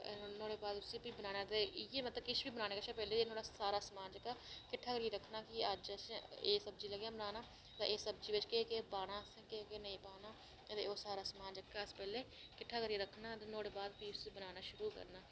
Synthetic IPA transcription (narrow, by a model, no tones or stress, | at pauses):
noːɽeːbaːd̪ʊsiːpiːbənaːnaːt̪ejeːmət̪ləbkɪt͡ʃʰbiːbənaːneːkət͡ʃʰapɛːleːd̪noːɽaːsaːɾaːsəmaːnd͡ʒəkːaːkɪʈʰːaːkəɾieːɾəkʰnaːkɪəd͡ʒəseːsəbd͡ʒiːləɡjãːbənaːnaː | t̪ã̰ːʔeːsəbd͡ʒiːʋɪt͡ʃkeːkepaːnaːskekenəĩːpaːnaː | ət̪ḛːoːsaːɾaːsəmaːnd͡ʒəkːaːəspɛːleː | kɪʈʰːaːkəɾiːɾəkʰnaːt̪eːnoːɽeːbaːd̪piːʊsiːbənaːnaːʃʊɾuːkə̰ɾnaː